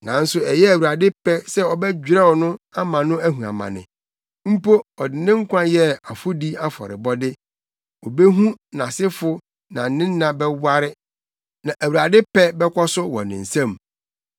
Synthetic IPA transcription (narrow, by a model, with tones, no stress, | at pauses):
nã˨n̩˦sʊ˦ɛ˨jɛ˦æ˨wu˨a˨dɪ˦pɛ˦sɛ˦ɔ˨bɛ˦d͡ʑᶣɾɛ˦wɔ˨nʊ̃˦a˦mã˨nʊ̃˦æ˦ɦũ˨a̰˨mã̰˨nɪ̰̃˨ | m̩˦po˦ɔ˨dɪ˨nɪ̃˦ŋ̩˦kʷʰã˦jɛ˦a˨fʊ˦di˦a˦fɔ̰˨ɾɪ̰˨bɔ˦dɪ˦ | ɔ˨be˦ɦũ˦nã˨sɪ˦fʊ˦ | nã̰˨n̩˨nɪ̃˦nː˦ã˨bɛ˦wa˦ɾɪ˦ | nã˨ʔæ˨wa˨dɪ˦pɛ˦bɛ˦kʰʷɔ˦sʊ˦wɔ̰˨nɪ̃˨n̩˨sã˦˨m